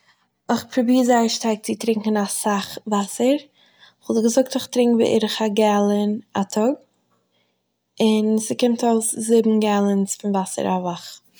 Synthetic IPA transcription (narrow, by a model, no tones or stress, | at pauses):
ɔχpʰɾubiːzaɪəʃtaɪk̚t͡sɪtɾɪŋkən̩asaχvasəɾ | χɔtɡəzʊk̚tɔχtɾɪŋkvḭʔɪ̰ɾəχaɡɛlˠənatʰɔɡ̚ | ɪnsɪkɪmtoʊszɪbm̩ɡɛlˠənsfɪnvasə̰ɾavaχ